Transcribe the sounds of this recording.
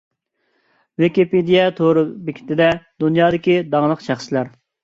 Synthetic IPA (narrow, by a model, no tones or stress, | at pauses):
wekʲiped̪ijɛt̪ʰoɾɨbɪkʲʰɪ̥t̪ɪd̪ɛd̪unjɑːd̪ɪkʲid̪ɑŋlˠəqʃæχsɪlæɾ